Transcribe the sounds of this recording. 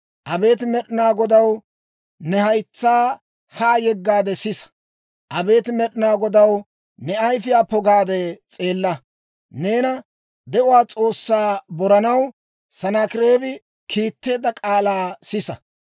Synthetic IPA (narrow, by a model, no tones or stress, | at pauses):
ʔɐbe̞ːt̪mɛɗɪnaːɡɔd̪ɐw | nɛhɐjt͡sːaː | haːjɛɡːaːd̪ɛsɪsɐ̥ | ʔɐbe̞ːt̪ɪmɛɗɪnaːɡɔd̪ɐw | nɛɐjfɪjaːpɔɡaːd̪ɛt͡sʼe̞ːlːɐ | neːnɐ | d̪ɛʔʊwaːt͡sʼo̞ːsːaːbɔɾɐnɐw | sɐnakɪɾeːbɪ | kʰiːt̪ːe̞ːd̪ɐkʼaːlaːsɪsɐ